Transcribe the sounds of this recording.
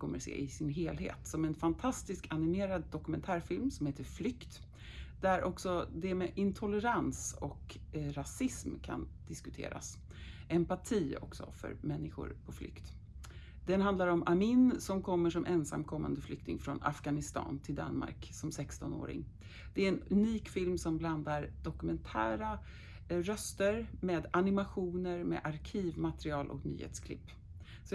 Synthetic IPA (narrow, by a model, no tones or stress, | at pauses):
kʰɔmːəsḛːʔɪsɪnɦeːlɦḛːt̪sɔmɛnfant̪ʰast̪ɪskʰanɪmeːɾad̪ːɔkɵmɛnt̪ʰæːɾfɪlmsɔmheːt̪əɾflʏkt̪ | d̪æɾʔɔksɔd̪ɛmɛʔɪnt̪ʰɔlːɛɾansɔk | ɾasɪsmkʰa̰nd̪̥ɪskɵ̥t̪ʰḛːɾa̰s | ɛmpaʈʰiːɔ̰ksɔ̰fœ̰ɾmɛnːɪɧʊ̰ɾpʰɔflʏ̰kt̪ | d̪̥ɛnhand̪laɾɔmamɪnsɔmkʰɔmːəʂɔmʔɛnsa̰mːkʰɔmːa̰nd̪əflʏk̚t̪ɪŋfɾɔna̰fɡanɪst̪ɑ̰ːnt̪ʰɪld̪a̰nma̰ɾksɔmsɛkst̪ɔno̰ːɾɪ̰ŋ | d̪̥ɛæɾɛnɵniːkfɪlmsɔmbland̪aɾd̪̥ɔkɵmɛnt̪ʰæ̰ːɾa | ɾœst̪əɾmeːd̪anɪmaɧuːnəɾmḛʔaɾkʰiːvmat̪ɾɪɑːlʔɔkny̰ːhḛːt̪skʰlɪ̰pː | sɔ